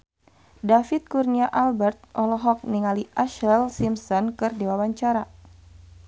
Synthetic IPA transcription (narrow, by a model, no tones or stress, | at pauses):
dafit̪̚kurniaʔalbɛrt̪̚ʔɔlɔɦɔk̚niŋaliʔaʃɛlsimsɔnkɨrdiwawaɲt͡ʃaɾa